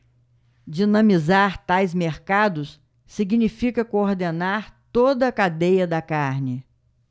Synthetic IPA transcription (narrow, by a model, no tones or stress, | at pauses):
d͡ʒinɐ̃mizaɾt̪ajzmeɾkad̪ʊsː | iɡnifikɐkooɾd̪enaɾt̪od̪ɐːkad̪ejɐd̪ɐkaɾnɪ